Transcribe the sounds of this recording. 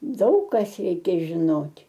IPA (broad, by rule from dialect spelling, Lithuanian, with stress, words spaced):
ˈdɐʊk kɐs ˈrʲɛɪkʲɛ ʒʲɪˈnoːtʲ